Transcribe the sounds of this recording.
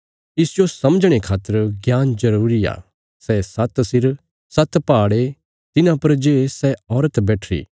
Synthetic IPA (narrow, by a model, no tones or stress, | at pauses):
ɪsd͡ʒosɐmd͡ʒɽ̃ekʰaːt̪ːəɾɡjaːnd͡ʒɐɾuːɾia̰ː | sɛːsɐt̪sɪɾ | sɐt̪paːɽe | t̪ɪnãpɐɾd͡ʒeːsɛɔːɾət̪bɛːʈʰɾḭː